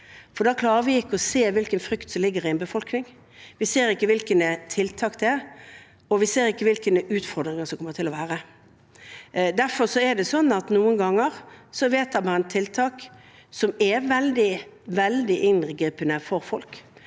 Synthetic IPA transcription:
fɔd̪ɑkʰlɑːʁəɾʋɪɪkːəɔseːʋɪlkənfɾʏkt̪sɔmlɪɡːəɾɪɛnbəfɔlknɪŋ | ʋɪseːɾɪkːəʋɪlkənt̪ʰɪlt̪ʰɑːkd̪ɛæ | ɔʋɪseːɾɪkːəʋɪlkənəʉːt̪fɔʁd̪ɾɪŋɑsɔmkʰɔmət̪ʰɪlɔʋæːɾə | d̪æɾfɔɾsɔɛd̪ɛsɔnːɑt̪nuːənɡɑŋːəɾsɔʋeːt̪ɑmɑɛnt̪ʰɪlt̪ʰɑːk | sɔmɛʋɛld̪ɪʋɛld̪ɪʔɪnɡɾiːpənəfɔɾfɔlk

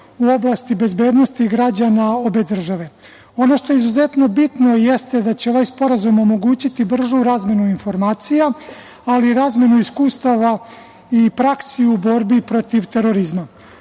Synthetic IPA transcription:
uo̞blˠast̪ibe̞zbe̞ːd̪no̞st̪iɡɾad͡ʑanao̞be̞d̪r̩ʒaʋe̞ | o̞no̞ʃt̪o̞jeizuze̞t̪no̞bit̪no̞je̞st̪ed̪at͡ɕe̞o̞ʋajspo̞ɾazumo̞mo̞ɡuːt͡ɕit̪ibr̩ʒuɾaːzmje̞nuinfo̞ɾmaːt̪sijaː | liɾaːzmje̞nuiskuːst̪aʋa | ipɾaksiubo̞ɾbipɾo̞t̪iʋt̪e̞ɾo̞ɾizma

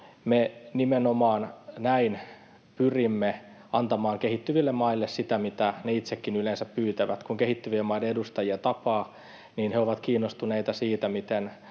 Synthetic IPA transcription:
menimenomɑːnnæin | pyrimːe | ɑnt̪ɑmɑːŋkehit̪ːyʋilːemmɑilːessit̪æmit̪æneit̪sekːinylensæppyːt̪æʋæt̪kuŋkeɦhit̪ːyʋiemːɑideedust̪ɑjiet̪ɑpɑː | niːnheoʋɑt̪kiːnːost̪uneit̪ɑsiːt̪æmit̪en

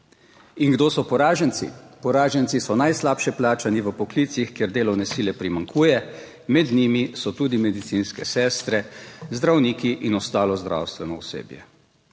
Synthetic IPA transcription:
iŋɡd̪oːsɔpɔɾaːʒənsḭpɔɾaːʒɛntsisɔnajslaːpʃɛplaːt͡ʃaniʋəpɔklit̪sixkjeɾd̪eːlɔwnɛsilɛpɾimaŋkʰuːjɛ | mɛd̪nimisɔt̪uːd̪imɛd̪it̪sinskɛsɛːst̪ɾɛzd̪ɾawniːkiʔinɔst̪aːlɔzd̪ɾa̰wst̪ʋɛnɔṵsḛːbjɛ̰

